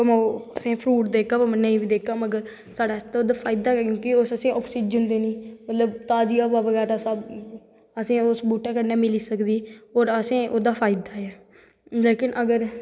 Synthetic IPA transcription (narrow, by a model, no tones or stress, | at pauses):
mːəsẽːpʰɾuːʈd̪eːkʰaːpəmənːẽiːbiːd̪eːkʰaːməɡəɾ | saːɖaːst̪ːoːd̪aːpʰaːɪd̪aːkjõːkɪosəsĩːʔɔːksiːd͡ʒənd̪eːnĩːmət̪ləbt̪aːd͡ʒiːaːbaːʋəɡɛːɾaːsaːb | əsĩːosbuːʈãːkəɾnaːmɪliːsəkd̪iːɦoːɾəsẽːʔoːd̪aːpʰaːɪd̪aːɛː | leːkɪnʔəɡəɾ